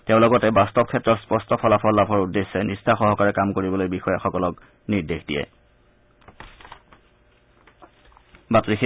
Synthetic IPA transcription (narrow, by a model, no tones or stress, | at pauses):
tɛʊ̃lɔɡɔtɛbastɔb̚kʰɛtːɹɔtspɔstɔpʰɔlapʰɔɹlabʰʱɔɹudːesːɛnistʰaxɔɦɔkaɹɛkamkoɹibɔlojbixɔjaxɔkɔlɔk | niɹdexdijɛ̰ | batɹix